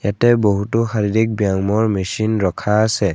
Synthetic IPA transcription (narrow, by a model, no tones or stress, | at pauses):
jatɛboɦutʊxaɹidik̚bijaŋmɔɹmesinɹɔkʰaːsɛ